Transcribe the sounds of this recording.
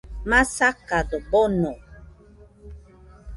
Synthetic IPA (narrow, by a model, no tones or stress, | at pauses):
masakadəbɔnɔ